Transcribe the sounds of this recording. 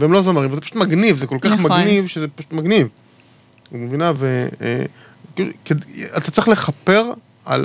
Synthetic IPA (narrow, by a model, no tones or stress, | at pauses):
veemlozamaʁimvazepaʃu̥t̪maɡnivzeko̞lkaχmaɡnivʃezepaʃu̥t̪maɡniv | umevinavḛ | kkeat̪at͡sʁiχle̞χape̞ʁ | a̰l